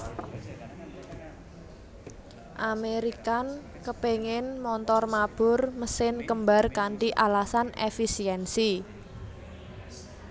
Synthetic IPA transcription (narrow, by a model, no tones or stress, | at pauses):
ʔameɾikan | kəpeŋɪnmɔnt̪ɔrmab̥ʊ̤rməsɪnkəmba̤rkaɳʈiʔalasanefisiɛnsi